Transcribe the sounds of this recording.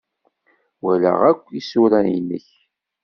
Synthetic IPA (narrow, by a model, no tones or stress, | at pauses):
wælæ̰ʁækʷːisuɾæinːəç